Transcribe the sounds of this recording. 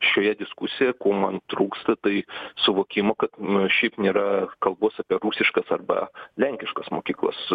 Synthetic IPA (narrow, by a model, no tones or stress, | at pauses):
ʃʲoːjɛd̪ʲɪskusʲɪjɛkoːmɐnt̪ɾuːkst̪ɐt̪ɐɪsʊʋoːkʲɪmoːkɐt̪ʃʲɛɪpnʲeːɾɐkɐlˠboːsɐpʲiɛɾusʲɪʃkɐsɐrbɐ̰lʲɛŋʲkʲɪʃkɐsmoːkʲiːklˠɐ̰s